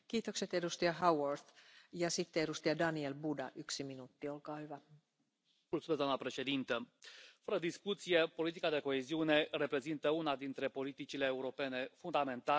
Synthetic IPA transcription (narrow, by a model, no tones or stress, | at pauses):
kiːt̪okse̞t̪e̞dust̪iɑhɑworθjɑsit̪ːeeɾust̪iɑdɑnielbudɑ̰ʔyksiminut̪ːiolkɑːhyʋæ | mult̪sumezd̪oamnəpɾe̞ʃe̞d̪int̪əfəɾəd̪iskut̪sije̞po̞lit̪ikad̪e̞ko̞eziune̞re̞pɾe̞zint̪əunad̪int̪ɾe̞po̞lit̪it͡ʃile̞ːuɾo̞pe̞ne̞fund̪ame̞nt̪a